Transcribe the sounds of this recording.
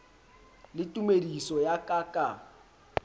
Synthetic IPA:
lɪtʼumedisɔjakʼakʼa

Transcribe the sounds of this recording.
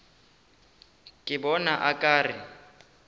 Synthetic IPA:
kʼɪbɔnaʔakʼaːrɪ

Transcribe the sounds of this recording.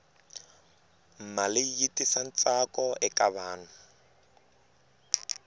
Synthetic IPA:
m̩malɪjitʼisan̩t͡sakʼɔɛkʼaβaːnʊ

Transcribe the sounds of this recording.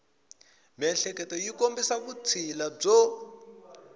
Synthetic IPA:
mɛnɬɛkɛtɔjikombisakut͡sʰilab͡ʐɔ

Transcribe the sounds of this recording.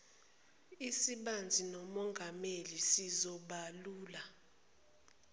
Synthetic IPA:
isiɓand͡zʱinɔmɔŋɡʱamelisizɔɓaluːla

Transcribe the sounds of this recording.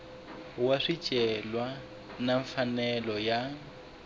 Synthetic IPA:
waʂit͡ʃʼɛlwa | naɱfanɛlɔja

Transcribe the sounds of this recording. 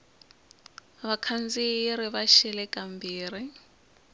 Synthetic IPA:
βakʰand͡ziɾiβaʃɛlɛkʼambiːri

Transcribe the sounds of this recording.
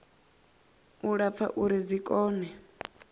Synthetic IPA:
uɺap̪fʰa̰ʔuɾizʷikʼɔːnɛ

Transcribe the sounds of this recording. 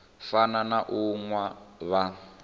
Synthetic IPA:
fananaʔuŋwaβa

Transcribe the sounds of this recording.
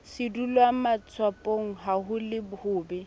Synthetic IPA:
sɪdulwamat͡sʰwapʼoŋ̩ɦaɦʊlɪbʊhʊːbɛ

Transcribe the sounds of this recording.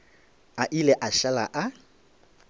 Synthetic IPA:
aʔilɛʔaʃalaʔa

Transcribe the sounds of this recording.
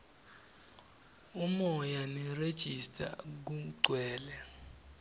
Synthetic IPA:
umɔjanired̥ʒ̥ʱistʼa̰k̬uɡ͡ǀʱwɛːlɛ

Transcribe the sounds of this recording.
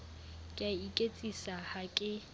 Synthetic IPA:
kʼaikʼet͡sʼisahakʼɪ

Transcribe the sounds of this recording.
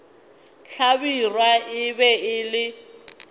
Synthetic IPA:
ɬabirwaɪbɛɪlɪ

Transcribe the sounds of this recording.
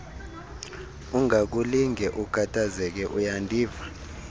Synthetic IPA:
uŋak̬uliŋɛʔukʰatʰazɛk̬ɛʔujandʱiːva

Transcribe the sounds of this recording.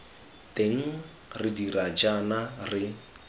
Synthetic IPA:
tʼeŋ̩ | rɪdirat͡ʃʼanarɪ

